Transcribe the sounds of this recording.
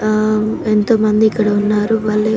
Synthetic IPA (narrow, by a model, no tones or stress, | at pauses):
ent̪o̞ːmɐnd̪iːkːɐɽɐunːaːɾuʋɐɭːe